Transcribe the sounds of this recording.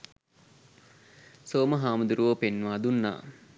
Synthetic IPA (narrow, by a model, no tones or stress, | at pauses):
soːməɦaːmud̪uɾuʋopenːʋaːd̪unːa̰ː